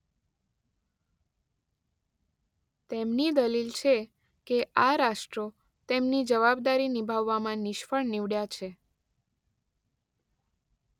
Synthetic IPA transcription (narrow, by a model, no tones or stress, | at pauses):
t̪emnid̪əlilt͡ʃʰe | keʔaɾaʃʈɾo | t̪emnid͡ʒəʋabd̪aɾinibʱaʋːamãnɪʃfəɭniʋɽjat͡ʃʰe